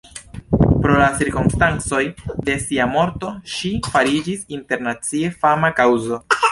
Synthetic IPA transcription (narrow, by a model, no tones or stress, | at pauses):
pɾo̞lat͡siɾkomstant͡so̞jde̞siamo̞ɾto̞ʃifaɾid͡ʒisinte̞ɾnat͡sie̞famakawzo̞